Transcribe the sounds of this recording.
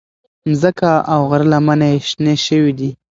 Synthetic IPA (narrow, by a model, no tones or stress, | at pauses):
mzəkaawɣaɾəlamaneeʃneʃəwid̪i